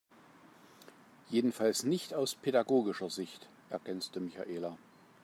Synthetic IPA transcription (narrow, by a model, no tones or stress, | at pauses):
jeːdn̩falsnɪçtaʊspʰedaɡoːɡɪʃɐzɪçt | ʔɛɐɡɛnstəmɪça̰ʔeːla